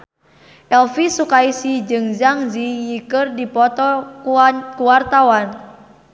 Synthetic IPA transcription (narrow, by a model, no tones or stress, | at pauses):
ʔɛlfisukaisid͡ʒɨŋzaŋzijikɨrdipɔt̪ɔ | kuwart̪awan